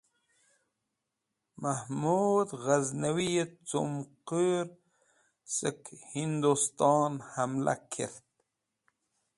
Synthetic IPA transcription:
mahmud̪ɣaznawiet͡sumqəɾ | t͡səkhind̪ust̪ɑːnhamla̰kʰḛɾt̪

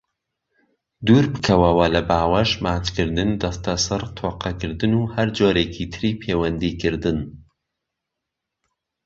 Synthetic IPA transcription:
d̪uːɾbɨkʰɐwɐwɐlɐbaːwɐʃmaːt͡ʃkɨɾd̪ɨnd̪ɐst̪ɐsɨrt̪ʰoːqɐkɨɾd̪ɨnuːhɐɾd͡ʒoːɾeːkʰit̪ʰɨɾiːpʰeːwɐnd̪iːkɨɾd̪ɨn

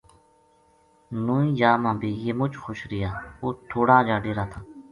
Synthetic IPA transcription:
nũːĩːd͡ʒaːmãːbʱiːjeːmʊt͡ʃxoːʃɾɪjaːoːt̪ʰoːɽaːd͡ʒaːɖeːɾaːt̪ʰaː

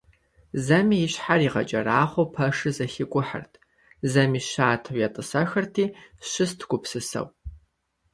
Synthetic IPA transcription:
zɐmiːjɪɕħariːʁɐ̰t͡ʃʼɐɾaːχʷowpʰɐʂɨzɐxɪkʷʼʊħə̰rtʰ | zɐmiːɕaːtʰɐwjatʼɨsɐxɐrtʰiːɕɨstʰɡʷʼʊpsɨsɐ̰w

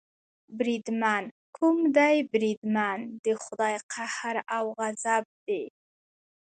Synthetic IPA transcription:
bɾid̪man | kʰʊmd̪ajbɾid̪mand̪əxʊd̪ɑjqʰahɾawɣazab̚d̪e

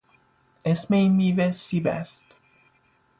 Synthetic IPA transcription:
esmenmivesibæ̰st̪

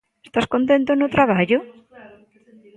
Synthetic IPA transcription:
est̪askont̪ẽnt̪onot̪ɾaβ̞aʎʊ

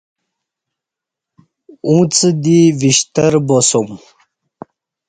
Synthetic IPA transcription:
ũt͡səd̪iviɕt̪əɾbosum

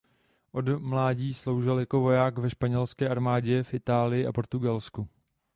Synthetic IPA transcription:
ʔo̞dmlaːɟiːslo̞wʒɪljako̞vo̞jaːkvɛʃpaɲɛlskɛːʔaɾmaːɟɛfʔɪt̪aːlɪjɪʔa̰po̞ɾt̪uɡalsku

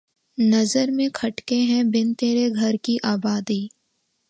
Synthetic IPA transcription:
nɐzəɾmẽkʰɐʈkeɦɛ̃bɪnt̪eːɾeɡʱɐɾkiʔaːbaːd̪iː

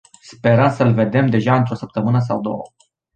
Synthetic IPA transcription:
spe̞ɾəmsəlve̞d̪e̞md̪e̞ʒaɨnt̪ɾo̞səp̚t̪əmɨnəs̬awd̪o̞̰ə̰

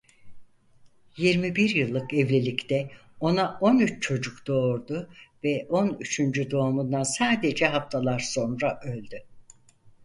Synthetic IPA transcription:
jiɾmibiɾjɯlˠːɯkɛvlʲelʲict̪ʰɛ | o̞naʔo̞nyt͡ʃt͡ʃʰo̞d͡ʒukd̪̥o̞ːɾd̪ʊvɛʔo̞nyt͡ʃʰynd͡ʒyd̪o̞ːmund̪ansaːd̪e̞d͡ʒɛɦaft̪ʰalˠaɾso̞nɾaʔø̞lʲd̪y

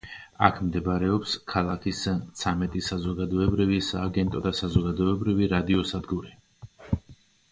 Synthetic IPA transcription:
a̰kʰmd̪ɛbaɾɛɔpskʰalˠakʰist̪sʰamɛt̪ʼisazɔɡad̪ɔɛbɾivisaːɡɛnt̪ʼɔd̪asazɔɡad̪ɔɛbɾiviɾad̪iɔsad̪ɡuɾi

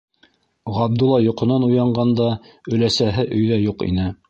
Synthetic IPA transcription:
ʁɑb̚d̪ŭlˠːɑjŏqŏnɑnujɑɴɢɑnd̪ɑ | ɵ̆læsæɦɘʔɵ̆jðæjuqḭnɘ

